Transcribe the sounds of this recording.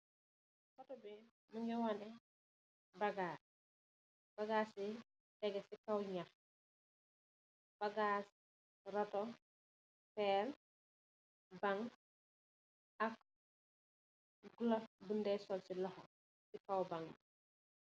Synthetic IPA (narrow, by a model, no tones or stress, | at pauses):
kɔtɔbi | muɲɡɔwanɛ | baɡaː | b̥aɡaːsi | tɛɡɛsikawɲax | b̥aɡaːs | ɾɔtɔ | pɛːl | baŋ | ak | ɡulɔbundɛsɔlsilɔhɔ | sikawbaŋ